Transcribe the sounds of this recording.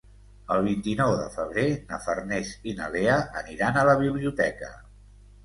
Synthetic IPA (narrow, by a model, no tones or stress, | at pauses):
əlˠβ̞int̪inɔwðə̰fəβ̞ɾenəfərnesinəleəəniɾanələβ̞iβliut̪ɛkə